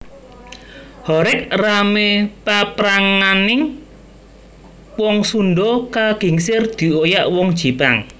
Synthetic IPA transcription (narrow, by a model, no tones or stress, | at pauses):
hɔɾɪk̚ramepapɾaŋanɪŋ | wɔŋsunɖɔkaɡ̥i̤ŋsɪrd̪̥i̤ojaʔwɔŋd̥ʒ̥i̤paŋ